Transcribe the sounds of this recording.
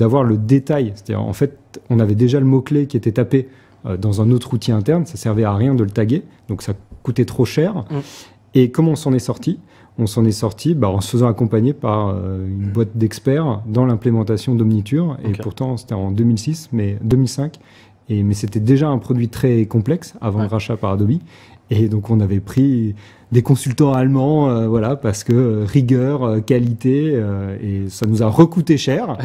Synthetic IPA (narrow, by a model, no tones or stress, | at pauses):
d̪avwaʁləd̪et̪ajse̥t̪ad̪ḭʁɑ̰̃fɛt̪ɔ̃navɛd̪eʒaləmɔklekʲiet̪ɛt̪ape | ød̪ɑ̃zɛ̃not̪χut̪iɛ̃t̪ɛʁnsasɛʁvɛaʁjɛ̃d̪ələt̪aɡed̪̥ɔ̃ksakut̪ɛt̪χoʃɛːʁ | ekɔmɔ̃sɑ̃nɛsɔʁt̪i | ɔ̃sɑ̃nɛsɔʁt̪ibaɑ̃sə̥fəzɑ̃akɔ̃paɲepaʁøynbwat̪̚d̪ɛkspɛʁd̪ɑ̃lɛ̃plemɑ̃t̪asjɔ̃d̪ɔmnit̪yʁepuʁt̪ɑ̃se̥t̪ɛɑ̃d̪ømilsismɛd̪ømilsɛ̃k | emɛset̪ɛd̪eʒaɛ̃pχɔd̪ɥit̪χɛkɔ̃plɛksa̰vɑ̃ləʁaʃapaʁad̪ɔbi | ed̪ɔ̃kɔ̃navɛpχi | d̪ekɔ̃sylt̪ɑ̃almɑ̃øvwalapaʁsə̥kəʁiɡʲœʁøkalit̪eøesanuzaʁəkut̪eʃɛʁ